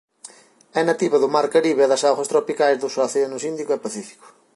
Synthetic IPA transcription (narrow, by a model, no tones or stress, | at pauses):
ɛnɐt̪iβɐðʊmaɾkɐɾiβeɛðɐsawɣɐst̪ɾɔpikajzðʊswaθeenʊsind̪ikʊɛpɐθifi̥kʊ̥